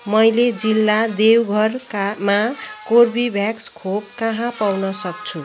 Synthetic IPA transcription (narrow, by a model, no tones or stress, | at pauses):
mʌjled͡zilːad̪ewɡʱʌrkamakorbibʱjakskʰop̚kʌɦãpawnʌsʌk̚t͡sʰu